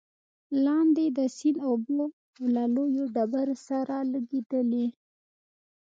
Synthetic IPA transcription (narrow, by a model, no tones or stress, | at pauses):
lɑnd̪ed̪əsinobo | wlalojoɖabaɾsaɾalaɡed̪əle